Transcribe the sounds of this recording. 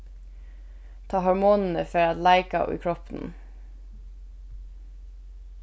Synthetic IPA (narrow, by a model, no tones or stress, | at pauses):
t̪ʰɑːhɔɹmuːnn̩əfœɾɑt̪læɪkɑ̰ḭːkʰɹɔpn̩